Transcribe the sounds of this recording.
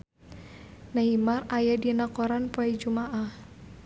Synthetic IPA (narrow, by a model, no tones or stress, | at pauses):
naimarajadinakɔɾanpɔid͡ʒumaʔah